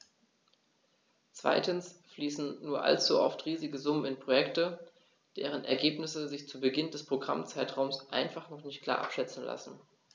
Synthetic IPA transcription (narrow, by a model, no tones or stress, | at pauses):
t͡sv̥a̰ɪtn̩sfliːsn̩nuːɐʔa̰lt͡suʔɔ̰ftʁiːzɪɡəzʊmənɪnpʁ̥ojɛktə | d̥eːʁ̞ənʔɛ̰ɐɡeːpnɪsəzɪçt͡suːbəɡɪndɛspʁ̥oɡʁa̰mt͡saɪtʁ̥aʊmsʔa̰ɪnfaχnɔχnɪçt̚kʰl̥a̰ːɐʔa̰pʃɛt͡sn̩la̰sn̩